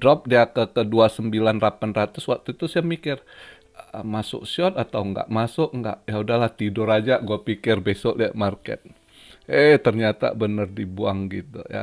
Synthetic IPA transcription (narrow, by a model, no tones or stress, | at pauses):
dɾɔp̚diakəkəduasəmbilanrapanrat̪ʊswak̚t̪uit̪usjaŋmikɪr | əmasʊ̰ʔsɔt̪at̪awŋɡa̰ʔmasʊʔŋɡa̰ʔjaudahlaht̪idʊɾad͡ʒaɡuapikɪrbesɔʔliaʔmarkɛ̰t̪̚ | et̪ərɲat̪a̰bənərdibuaŋɡit̪ṵja̰